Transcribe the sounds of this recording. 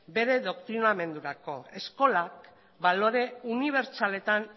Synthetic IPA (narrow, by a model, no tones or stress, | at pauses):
be̞ɾe̞ðo̞kt̪ɾiname̞nd̪uɾako̞e̞sko̞lak | balo̞ɾe̞uniβ̞eɾt͡sale̞t̪an